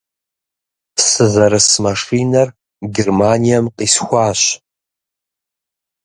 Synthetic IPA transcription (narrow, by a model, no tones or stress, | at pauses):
sɨzɐɾɨsmɐʂiːnɐr | ɡʲɛrmaːnijɐmqiːsxʷaːɕ